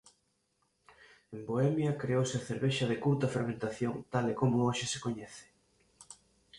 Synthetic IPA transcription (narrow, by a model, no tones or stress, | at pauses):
emboɛmjɐkɾeowsɪɐθeɾβeʃɐðekuɾt̪ɐfeɾmẽnt̪aθjoŋt̪alekomʊoʃɪsekoɲɛθɪ̥